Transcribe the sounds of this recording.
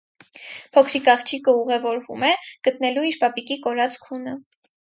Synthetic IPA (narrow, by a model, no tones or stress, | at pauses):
pʰɔkʰɾikɑχt͡ʃʰikəuʁɛvɔɾvṵmɛɡ̥ət̪nɛluiɾpɑpikikɔɾɑt͡skʰunə